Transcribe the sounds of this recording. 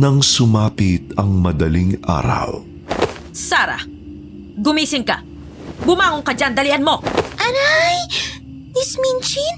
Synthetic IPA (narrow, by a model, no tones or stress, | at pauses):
nɐŋsʊmaːpɪt̪ɐŋmɐd̪ɐliŋʔa̰ːɾɐ̰w | saːɾɐ̰ | ɡʊmiːsɪŋkɐ | bʊmaːŋoŋkɐd͡ʒand̪ɐlɪʔɐnmo̞ʔɐnaj | d̪ɪsminʃɪn